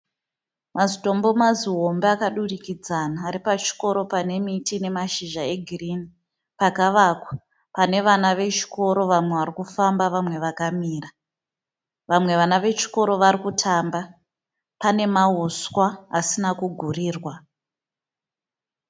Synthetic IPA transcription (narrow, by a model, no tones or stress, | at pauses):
mazito̞mbo̞maziɦo̞mbeakaɗurikid͡zanaːɾipat͡ʃi̥ko̞ɾo̞pane̞mitine̞maʃiʒae̞ɡʱirini | pakaʋakwa | pane̞ʋanaʋe̞t͡ʃi̥ko̞ɾo̞ʋamwe̞ʋarikufambaʋamwe̞ʋakamiːra | ʋamwe̞ʋanaʋe̞t͡ʃi̥ko̞ɾo̞ʋaɾikutʰamba | pane̞maɦuswaːsinakuɡʱuriːrwa